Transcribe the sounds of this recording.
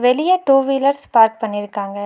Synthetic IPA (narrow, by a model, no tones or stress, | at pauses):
ʋelijaʈuːʋiːləɾspaːɾk̚pɐniɾɐkʰːãːŋɡɐ